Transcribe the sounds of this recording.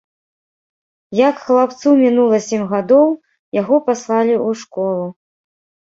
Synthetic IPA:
jɐkxlˠapt̪sumʲinulˠɐsʲɛmʲɣad̪ɔw | jaɣɔpaslˠalʲiuʂkɔlˠu

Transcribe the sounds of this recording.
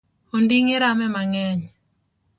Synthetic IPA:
ondiŋɪɾamɛmaŋɛɲ

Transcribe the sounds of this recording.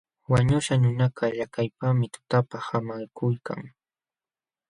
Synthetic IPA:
waɲʊʃanʊnakʰaʎakajpamɪt̪ʊ̥t̪apahamajkʊjka̰ŋ

